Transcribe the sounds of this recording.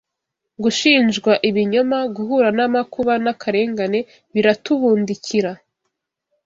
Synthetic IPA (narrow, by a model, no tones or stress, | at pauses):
ɡuʃiːnd͡ʒɡwaʔiβiɲo̞maɡuɦuɾanamakuβanakʰaɾe̞ːŋɡane̞ | βiɾatuβuːndiciɾa